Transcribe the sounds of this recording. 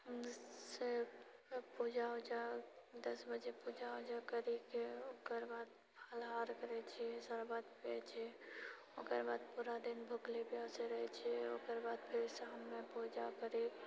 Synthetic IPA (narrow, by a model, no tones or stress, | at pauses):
ɦəmɪe | pud͡ʒaɦod͡ʒad̪əsbəd͡ʒepuːd͡ʒaɦod͡ʒakəɾikeoːkəɾbaːd̪̚ | pʰaːlɦaːɾkəɾet͡ʃʰiesəɾbaːd̪pḛt͡ʃʰe | oːkəɾbaːd̪̚puːɾad̪ɪnbʱʊklepjaseɾəɦɛt͡ʃʰeo̰ːkəɾbaːd̪pʰɪɾsaɦəmːẽpuːd͡ʒakəɾi